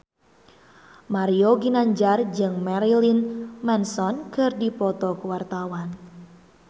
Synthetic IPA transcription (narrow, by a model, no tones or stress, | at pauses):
maɾioɡinaɲd͡ʒard͡ʒɨŋmɛɾilinmɛnsɔnkɨrdipɔt̪ɔkuwart̪awan